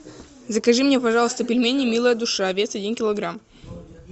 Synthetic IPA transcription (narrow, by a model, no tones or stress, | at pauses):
zəkɐʐɨmnʲepɐʐɑlˠəst̪əpʲɪlʲmʲenʲɪmʲilˠəjəd̪ʊʂaɐvʲet̪sɐdʲinkʲɪlˠɐɡɾam